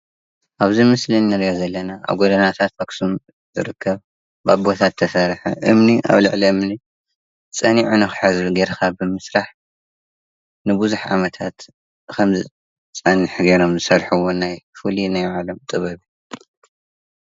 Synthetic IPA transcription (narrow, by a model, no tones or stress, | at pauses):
ʔaβzimɨslinːɨɾjazɐlːɐnaʔa̰βɡod̪ɐnat̪ʰat̪fɐksum | zɨ̰ɾɨkʰːɐβ | ba̰bot̪ʰat̪ʰːɐsɐɾħa̰ʔɨmniʔa̰βlɨ̰ʕliɨmni | t͡sʼɐniʕunɨxɨ̥ħazbiɡeɾkʰabɨmɨsɾaħ | nɨbuzuħʕa̰mɐt̪ʰat̪ | kʰɐmzɨ | t͡sʼɐniħɡeɾo̞mzɨsɐɾħuwonajfulinajʕalɐmt̪ʼɨβɐβi